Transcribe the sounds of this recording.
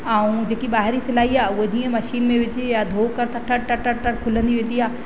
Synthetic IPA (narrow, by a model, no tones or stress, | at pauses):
aːũd͡ʑeːkiɓaːɦɪɾisɪlaːiaːʊɦod͡ʑĩːə̃mɐʃiːnmẽʋɪd͡ʑejad̪ʱoːkɐɾt̪ʰɐʈɐɽʈɐɽʈɐɽʈɐɽkʰʊlə̃nd̪iʋẽːnd̪iaː